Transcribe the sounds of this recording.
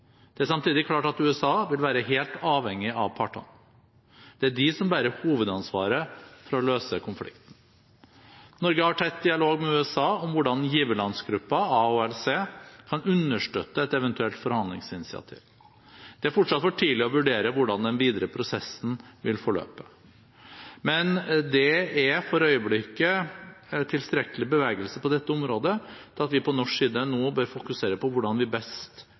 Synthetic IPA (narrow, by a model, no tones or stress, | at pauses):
d̪̥ɛæʂɑmt̪ʰiːd̪ɪkʰlɑːʈɑt̪ʉːɛsɑːʋɪlʋæːɾəɦeːlt̪ɑːʋhɛŋːɪʔɑʋpʰɑʈɔ̰n | d̪̥ɛæɖɪsɔmbæːɾəhuːʋəd̪ɑnsʋɑːɾəfɔɾɔløːsəkʰʊnflɪ̰kt̪n̩ | nɔɾɡəhɑʈʰɾɛt̪̚d̪ɪɑloːɡmɛʉːɛsɑːɔmʋʊɖɑnjiːʋəlɑnsɡɾʉpːɑɑuːɛlseːkʰɑnʉnːəʂʈø̰ːt̪ːəɛt̪ɛʋɛnt̪ʉɛlt̪fɔɾhɑnd̪lɪ̰ŋsɪnɪsɪɑ̰t̪ʰḭːʋ | d̪̥ɛæɾfɔʈʂɑt̪fɔʈʰiːlɪɔʋʉɖeːɾəʋʊɖɑnd̪ɛnʋiːd̪əɾəpʰɾʊsɛsːən̩ʋɪlfɔɭø̰ːpə | mɛnd̪ɛɛfɔɾœʏəblɪkːə | t̪ʰɪlst̪ɾɛkəlɪbəʋeːɡəlsəpɔd̪ɛt̪ːəɔmɾoːd̪ət̪ʰɪlɑt̪ʋɪpʰɔnɔʂiːd̪ənoːbøːɾfʊkʉseːɾəpɔʋʊɖɑnʋɪbɛst̪